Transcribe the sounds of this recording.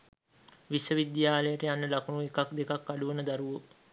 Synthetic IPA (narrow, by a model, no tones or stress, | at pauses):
ʋisəʋid̪jaːləjəʈəjanːəlakunuekakd̪ekakːaɖuʋənəd̪aɾuʋo